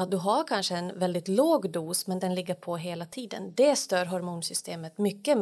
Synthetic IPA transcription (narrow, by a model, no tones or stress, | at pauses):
at̪̚d̪ɵɦaɾkʰanʂəɛnvɛld̪ɪt̪loːɡd̪uːsmɛnd̪ɛnlɪɡːəpʰɔɦeːlat̪ʰiːd̪ə̰nd̪ɛst̪œːɾɦɔɾmuːnsʏst̪ʰeːmət̪mʏkːə